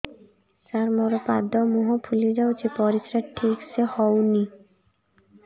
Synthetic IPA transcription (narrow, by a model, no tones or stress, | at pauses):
saɾmɔɾopad̪ɔmuɦopʰuled͡ʑawt͡ɕepɔɾisɾaʈʰːiksehɔwni